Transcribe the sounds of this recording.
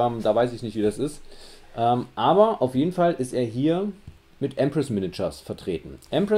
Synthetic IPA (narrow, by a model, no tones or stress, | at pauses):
ɛːmd̥aːvaɪsɪçnɪçtviːdasɪstʔɛːmʔaːbɐʔaʊfjeːdn̩falʔɪsteːɐɦiːɐ | mɪtʔɛmpʁɛsmɪnɪt͡ʃɐsfɛɐtʁ̥eːtn̩ʔɛmpʁɛ